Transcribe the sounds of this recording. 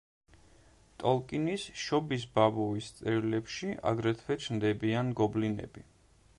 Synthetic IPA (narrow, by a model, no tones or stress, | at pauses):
t̪ʼɔlˠkʼinisʃɔbis̬babɔvist̪sʼɛɾilɛpʃia̰ɡɾɛt̪ʰvɛt͡ʃʰnd̪ɛbianɡɔblinɛ̰bi